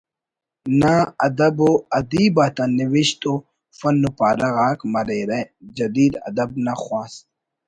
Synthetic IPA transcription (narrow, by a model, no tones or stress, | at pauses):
naɐd̪ɐboɐd̪iːbaːt̪ɐnːiʋiɕt̪o | fɐnːupaːɾɐɣaːkmɐɾeɾed͡ʑɐd̪iːd̪ɐ̰d̪ɐb̚naxwaːs